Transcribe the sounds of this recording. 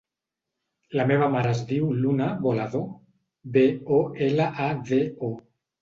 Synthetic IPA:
lameβamaɾazd̪iwlunaβolaðo | beoelaʔaðeo

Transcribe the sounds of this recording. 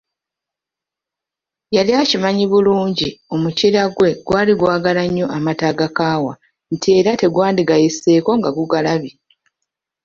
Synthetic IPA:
jaliacimaɲiβuluːɲɟio̞muciɾaɡwe̞ɡwaːliɡwaːɡalaɲːo̞ʔamataːɡakaːwa | ntie̞ːɾate̞ɡwaːndiɡajesːe̞ːko̞ŋɡaɡuɡalaβi

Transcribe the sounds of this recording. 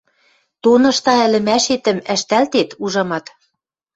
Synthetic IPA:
t̪onɤ̆ʃt̪ɑɘ̆lɘ̆mæʃet̪ɘ̆mæʃt̪ælt̪et̪uʒɑmɑt̪

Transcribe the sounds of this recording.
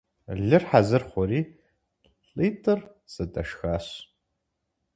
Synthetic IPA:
ɮɨrħazɨrχʷɔɾiː | ɬʼiːtʰʼɨr | sɨtʼɐʃxaːɕ

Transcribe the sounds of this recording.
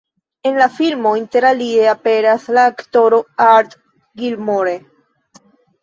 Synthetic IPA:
e̞nlafilmo̞inte̞ɾalie̞ape̞ɾaslaːkto̞ɾo̞aɾt | ɡilmoɾe

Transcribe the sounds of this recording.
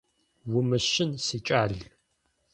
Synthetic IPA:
wʊmɨʃɪnsit͡ʃʼaɮ

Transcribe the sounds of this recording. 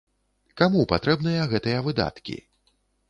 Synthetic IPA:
kamupat̪ɾɛbnɨjɐɣɛt̪ɨjɐvɨd̪a̰t̪kʲḭ

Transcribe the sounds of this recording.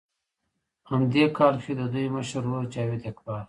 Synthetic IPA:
hamd̪ekɑːɾxid̪əd̪ujməʃɾwot͡ʃaːwet̪ekbɑːɾ

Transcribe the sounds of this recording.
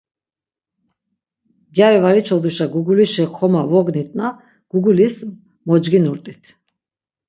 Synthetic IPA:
ɡjaɾɛvaɾit͡ʃʰɔd̪uʃaɡuɡuliʃɛχʰɔmavɔɡnit̪ʼna | ɡ̥uɡulis | mɔd͡ʒɡinuɾt̪ʼit̪ʰ

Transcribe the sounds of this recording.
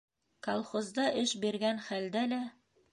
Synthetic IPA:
kɐlˠχozd̪ɑʔɘʃbiɾɡænχæld̪ælæ

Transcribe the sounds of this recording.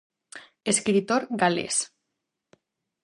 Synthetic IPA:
eskɾit̪oɾɡalḛs

